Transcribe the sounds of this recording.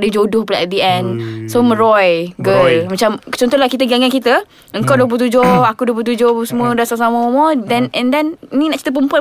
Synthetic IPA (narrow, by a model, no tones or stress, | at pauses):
dəd͡ʒodʊhplaʔɛt̪̚diɛnsoməɾɔjɡəlmat͡ʃamt͡ʃɔnt̪ɔhlahkit̪əɡaŋankit̪ə | əŋkawduəp̬lut̪ud͡ʒʊakuduwəplut̪̬ud͡ʒʊhpəsəmũədasasaməmɔdɛnɛ̃ndɛninĩnaʔt͡ʃi̥t̪əp̬əmpua